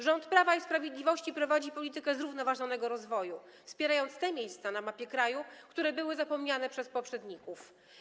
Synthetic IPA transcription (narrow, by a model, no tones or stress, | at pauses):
ʐɔnt̪pɾavaispɾavʲjed̪lʲivɔɕt͡ɕipɾɔvad͡ʑipɔlʲit̪ɘkɛzɾuvnɔvaʐɔnɛɡɔɾɔzvɔju | fspʲjɛɾajɔnt̪st̪ɛmʲjejst̪sanamapʲjɛkɾajukt̪uɾɛbɘwɘzapɔmɲanɛpʂɛspɔpʂɛd̪ɲikuf